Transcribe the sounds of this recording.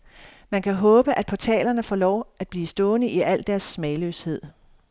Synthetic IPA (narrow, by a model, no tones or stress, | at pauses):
mænkʰæɦɔ̽ːb̥əʔæd̥̚pʰɒ̽t͡sʰɛ̰ːlɐnəfɒːlɒʊ̰ʔæd̥̚b̥liːsd̥ɔ̽ːnəʔiʔæl̰d̥æɐsmɛːløshe̝ð̰ˠ